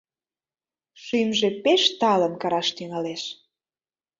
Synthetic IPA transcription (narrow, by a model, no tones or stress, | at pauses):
ʃymʒepeʃt̪ɑlə̆nkɑɾɑʃt̪yŋɑleʃ